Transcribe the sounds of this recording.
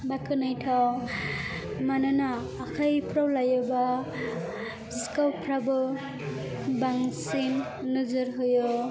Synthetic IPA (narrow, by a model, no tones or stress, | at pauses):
bakʰɯnajtʰaw | manɯnaː | kʰajpʰɾawlajɯba | iskawpʰɾabɯ | baŋsinː | ɯzɯɾɦɯjo